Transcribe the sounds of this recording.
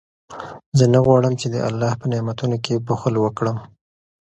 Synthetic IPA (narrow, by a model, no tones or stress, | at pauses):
zənaɣwɑɽəmt͡ʃed̪əʔa̰lːɑhpənemat̪unokebʊxəlwəkɽəm